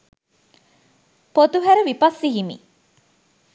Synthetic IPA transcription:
pot̪uɦæɾəʋipɐsːiɦimḭ

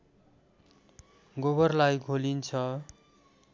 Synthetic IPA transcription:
ɡoβʌrlajɡʱolint͡sʰʌ

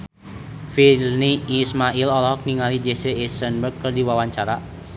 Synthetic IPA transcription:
filniːsmaʔilɔlɔhɔk̚niŋalid͡ʒesəesənbərkkərdiwawaɲt͡ʃaɾa

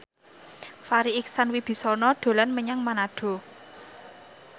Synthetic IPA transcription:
faɾiɪksanwib̥i̤sɔnɔɖ̥o̤lanməɲaŋmanaɖ̥o̤

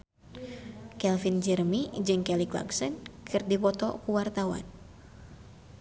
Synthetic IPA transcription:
kɛlfind͡ʒərmid͡ʒɨŋkɛlikla̰ksənkʰɨrdipɔt̪ɔ̰kuwart̪awa̰n

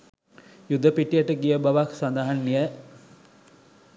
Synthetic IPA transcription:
jud̪ːəpiʈijəʈəɡijəbaʋaksand̪aɦanːijə

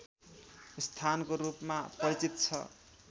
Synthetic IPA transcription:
st̪ʰankoɾupmapʌɾit͡sit̪t͡sʰʌ̰

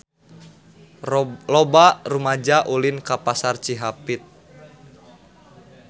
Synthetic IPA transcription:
lɔbarumad͡ʒaʔulinkapasart͡ʃiɦapit̪̚

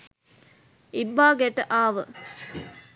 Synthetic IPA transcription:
ibːaːɡeʈəʔaːʋə

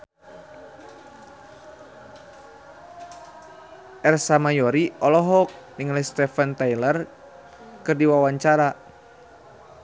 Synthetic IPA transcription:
ʔɛrsamajɔɾiɔlɔɦɔk̚ | niŋalɛst̪ɛfant̪ajlər | kɨrdiwawaɲt͡ʃaɾa

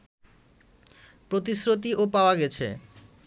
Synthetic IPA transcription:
pɾot̪̬isɾot̪̬iopaoaɡɛt͡ɕʰḛ

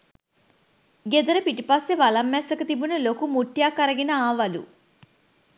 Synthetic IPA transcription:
ɡed̪ɐɾɐpiʈipaːseʋɐlɐmːɛːsɐkɐt̪ibunulokumuʈːjaːkɐɾɐɡinɐaːʋɐlṵ

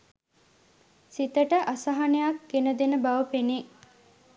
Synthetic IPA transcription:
sit̪əʈəʔasaɦanejakːenəd̪enəbaʋəpene

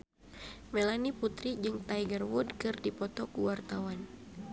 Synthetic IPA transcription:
mɛlaniput̪ɾid͡ʒɨŋt̪ajɡərwudkɨrdipɔt̪ɔkuwart̪awan

